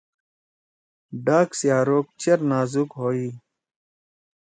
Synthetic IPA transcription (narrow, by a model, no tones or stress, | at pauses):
ɖaːksijaːɾoːk̚t͡ɕɐɾnaːzukɦoːiː